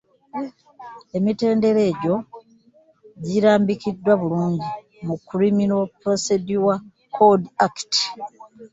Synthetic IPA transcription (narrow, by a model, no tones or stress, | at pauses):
e̞mite̞ːnde̞ɾe̞ːɟo̞ | ɟiɾaːmbikidːwaβuluːɲɟi | mukːuɾiminopɾo̞se̞dua | kʰodiakti̥